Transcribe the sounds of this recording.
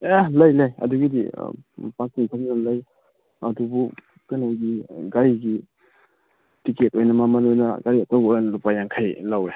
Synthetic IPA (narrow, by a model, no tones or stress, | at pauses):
elɐjlajɐ̰duɡidḭpak̚tiŋkʰamnanlaj | adubu | kanawɡiɡaɾiɡi | tiketojnamamɐnojnɐɡaɾiatawoɾanlupajaŋkʰajlawe